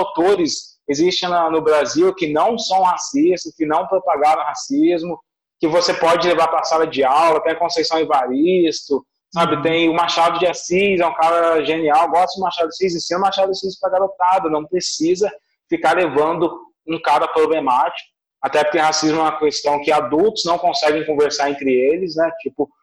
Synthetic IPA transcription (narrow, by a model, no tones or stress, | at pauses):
awt̪oɾɪs | ezist͡ʃẽnɐnʊbɾaziwkɪnɐ̃w̃sɐ̃w̃hasist̪ʊkɪnɐ̃w̃pɾopaɡaɾɐ̃hasizmʊ | kɪvosepɔd͡ʒɪlevaɾpɾasalɐd͡ʒɪawlɐt̪ẽj̃kõsejsɐ̃w̃ɪvaɾist̪ʊ | sabɪt̪ẽj̃ʊmaɾʃad̪ʊd͡ʒɪasizɛũkaɾɐʒeniawɡɔst̪ʊd͡ʒɪmaɾʃad̪ʊsizĩsĩnʊmaɾʃad̪ʊsizɪ̥pɾaɡaɾot̪ad̪ɐnɐ̃w̃pɾesizɐ | fikaɾlevɐ̃nd̪ʊ | ũkaɾɐpɾoblemat͡ʃi̥kʊ | at̪ɛpoɾkẽhasizmʊɛ̃mɐkest̪ɐ̃w̃kɪad̪uwt̪ʊznɐ̃w̃kõsɛɡẽj̃kõveɾsaɾẽnt̪ɾɪelɪsnɛt͡ʃipʊ